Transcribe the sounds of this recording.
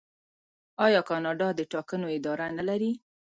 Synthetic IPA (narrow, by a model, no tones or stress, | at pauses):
ɑjɑkɑnɑɖɑd̪əʈɑkənoɪd̪ɑɾanalaɾi